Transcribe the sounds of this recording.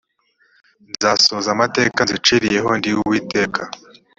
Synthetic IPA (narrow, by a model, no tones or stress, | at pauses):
nzaːsoːzamate̞ːkanzit͡ʃiɾije̞ɦo̞ndiwuwiːte̞ːkʰa